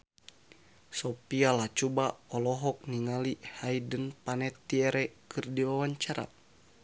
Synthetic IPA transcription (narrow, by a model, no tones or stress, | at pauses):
sɔpialat͡ʃubaɔlɔɦɔk̚niŋalihaidənpanɛt̪iɛɾɛkʰɨrdiwawaɲt͡ʃaɾa̰